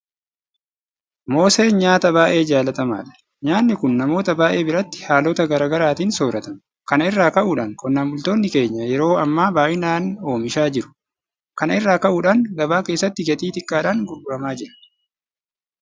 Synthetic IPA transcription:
mo̞ːse̞ːnɲaːt̪ɐbaːʔe̞ːd͡ʒaːlɐt̪ɐma̰ːᶑɐ̥ | ɲaːnːɪkʊnːɐmo̞ːt̪ɐbaːʔe̞ːbɪɾɐt̪ːɪ̥haːlɔːt̪ɐɡɐɾaːɡɐɾaːt̪iːnso̞ːɾɐt̪ɐm | kɐnɐɪrːaːkɐʔuːᶑaːŋkɔnːaːmʊlt̪o̞ːnːɪke̞ːɲːɐjɛɾo̞ːɐmːaːbaːʔɪnaːno̞ːmɪʃaːd͡ʒɪɾʊ̥ | kɐnɐɪrːaːkɐʔuːᶑaːnɡɐbaːke̞ːsːɐt̪ːɪɡɛt̪ʼiːt̪ɪkʼːaːᶑaːŋɡʊɾɡʊɾɐmaːd͡ʒɪɾɐ̥

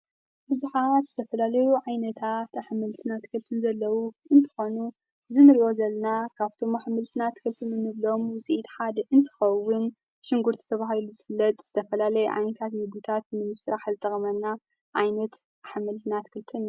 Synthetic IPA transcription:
bɨzuħat̪zɨt̪ʰɐfɐlalɐjuʕajnɐt̪ʰat̪aħmɨlt̪ʰɨnat̪kʰɨlt̪ʰɨnzɐlːɐwuʔɨnt̪ʰɨ̥xo̞nu | zɨnɨɾwo̞zɐlnakʰaβt̪ʰo̞maħmɨlt̪ʰɨnat̪kʰɨlt̪ʰɨnɨnɨβlo̞mwʊsʼiʔit̪ħad̪ʔɨnt̪ʰɨ̥xɐwːʊn | ʃɪŋɡuɾt̪ʰi̥t̪ʰɐβahiluzɨfɨlːɐt̪ʼz̥ɨt̪ʰɐfɐlalɐjuʕa̰jnɐt̪ʰat̪mɨɡut̪ʰat̪̚nɨmɨsɾaħzɨt̪ʼɐxʼɐmɐnːa | ʕajnɐt̪ | ʔaħmɨlt̪ʰɨnat̪kʰɨlt̪ʰɨn

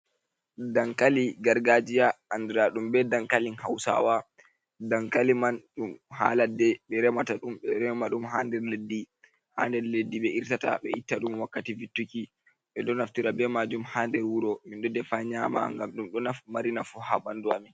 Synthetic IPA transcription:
daŋkaliɡaɾɡad͡ʒijaanduɾaɗumbɛdaŋkalinha̰wsa̰wa | daŋkalimanɗumha̰ːladɛɓɛɾɛmataɗumɓɛɾɛmaɗumɦaːndɛɾledːi | ha̰ːndɛɾledːiɓɛʔiɾtata̰ɓɛitːaɗumwakːativitːuki | ɓɛɗɔnaftiɾabɛmad͡ʒumhaːndɛɾwuɾɔminɗɔdɛfaɲama̰ŋɡamɗumɗɔnafmaɾinafuhaɓanduamin

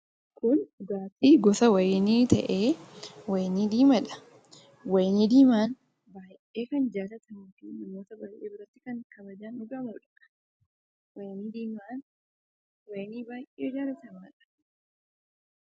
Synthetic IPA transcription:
kʊnʊɡaːtiːɡɔsɐwɐjniːt̪ʰɐ̰ʔeːwɐjniːd̪iːmɐᶑɐ̥ | wɐjniːd̪iːmaːn | baː | ʔeːkɐnd͡ʒaːlɐt̪ɐnɪfinɐmoːt̪ɐbaːjʔeːbɪɾɐt̪ːɪkɐŋkɐbɐd͡ʒaːnʊɡaːmɐɾᶑɐkʼɐ̥ | wɐjniːd̪iːmaːn | wɐjniːbaːjʔeːɪd͡ʒaːlɐt̪ɐmaːᶑɐ̥

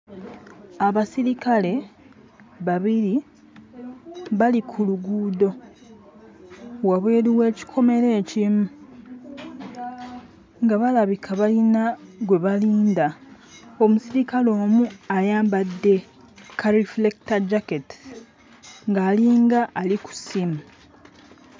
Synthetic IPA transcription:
aβasiɾikale̞ | βaβiɾi | βalikʰuluɡuːdo̞ | waβwe̞ːɾiwe̞ːci̥kʰo̞me̞ɾe̞ːcimu | ŋɡaβalaβikʰaβalinaɡwe̞βaliːnda | o̞musiɾikalo̞ːmuajaːmbadːe̞ | kʰaɾiflektad͡ʒaketi̥ | ŋɡaːliːŋɡaʔːliku̥simu

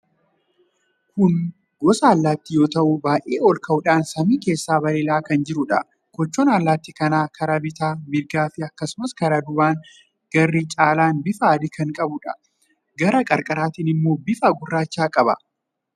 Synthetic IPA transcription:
kʊn | ɡɔsɐːlːaːt̪ːijo̞ːt̪ɐʔʊbaːʔeːɔlkɐʔʊᶑaːnsɐmiːke̞ːsːaːbɐɾeːlaːkɐnd͡ʒɪɾʊᶑɐ̰ | kɔt͡ʃːoːnaːlːaːt̪ːikɐnaːkʰɐɾɐbɪt̪aːmɪɾɡaːfɪɐkːɐsʊmɐskɐɾɐd̪ʊbaːŋ | ɡ̥ɐrːiːt͡ʃʼaːlaːnbɪfɐːd̪ɪkɐŋkʼɐbʊᶑɐ | ɡɐɾɐkʼɐɾkʼɐɾaːt̪iːnɪmːo̞ːbɪfɐɡʊrːaːt͡ʃːaːkʼɐbɐ

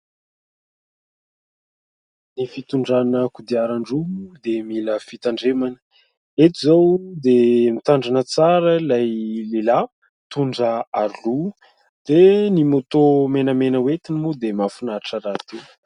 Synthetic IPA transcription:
nifit̪uɳɖ͡ʐanəkud̪iaɾaɳɖ͡ʐumud̪emiləfit̪aɳɖ͡ʐemanə̥ | et̪izawd̪emit̪aɳɖ͡ʐanət͡saɾəlajlela | t̪uɳɖ͡ʐəaɾilu | d̪̥enimot̪omenəmenəwet̪inimud̪emafunaɾiʈ͡ʂəɾat̪u

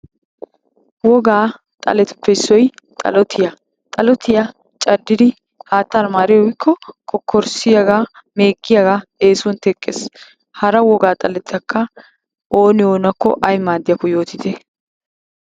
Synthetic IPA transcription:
wɔɡaː | t̪ʼɐ̰lɛt̪ʊ̥pːɛɪsːɔjt̪ʼɐ̰lɔt̪ʰɪjɐ | t̪ʼɐlɔt̪ɪja | t͡ʃʼɐd̪ːɪd̪ɪ | haːt̪ːanmaːɾjɔwɪkʰːɔkʰɔkʰːɔɾsɪjɐɡaː | meːɡʼːɪjaɡaeːsɔnt̪ɛkʼːes | hɐɾɐwɔɡaːt̪ʼɐlɛt͡s̪ːɐkːɐ | ʔo̞ːnɪoːnɐkːɔ̰ʔɐjmaːd̪ːɪjɐkːɔjo̞ːt̪ɪt̪ɛ

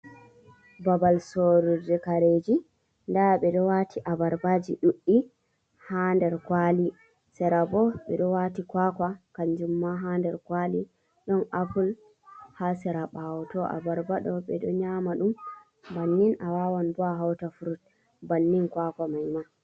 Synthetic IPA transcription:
babalsoɾudɛkaɾed͡ʒi | ndaɓɛɗɔwatʰiʔabaɾbad͡ʒiɗuɗːi | handɛɾkwali | sɛɾabɔɓɛ̰ɗɔwatikwakwakaɲd͡ʒumːaɦandɛɾkwali | ɗɔnʔapul | hasɛɾaɓawɔtɔʔa̰baɾbaɗɔɓɛɗɔɲamaɗum | banːinawawanbɔaɦawtafuɾut̚ | banːinkwakamajma

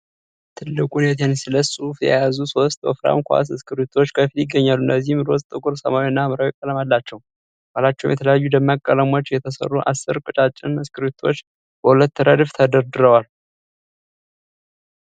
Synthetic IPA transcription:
t̪ʰɨlːɨkʼunet̪ʰensɨləsʼufjɛ̰jazuso̞st̪ʼə̰fɾa̰mkʰʷa̰s̬ɨskʰɨɾut̪ʰot͡ʃːkʰəfiljɪɡːəɲːalːuɨndəzːihmɾosʼt̪ʼɨkʼuɾsəmawiɨnːamɨɾawɛkʼːələmalːat͡ʃːɛw | w̥alat͡ʃːɛwumjɛt̪ʰələjajːud̪əmːakʼːələmot͡ʃːjɛt̪ʰəsə̰rːuʔa̰sːɨɾkʼɨt͡ʃʼat͡ʃʼːɪnɨskɨɾit̪ʰo̞t͡ʃː | b̥əhulət̪ːəɾəd̪ɨft̪ʰəd̪əɾd̪ɨɾəwal

